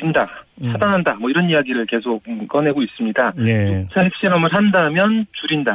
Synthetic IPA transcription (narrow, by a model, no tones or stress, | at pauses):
inda | sʰadaŋɦandamwʌiɾʌnijaɡiɾɯɭke̞sʰok̚k͈ʌne̞ɡois͈ɯmɲidat͡ɕot͡ɕʰaɦek̚ɕ͈iɾʌmɯɭɦandamjʌnt͡ɕuɾinda